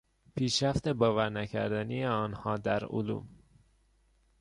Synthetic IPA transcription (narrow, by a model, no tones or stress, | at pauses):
pʰiːʃɾæft̪ebɒːvæɾnæcʰæ̰ɾd̪ænijeɒːnhɒːd̪æɾo̰lṵːm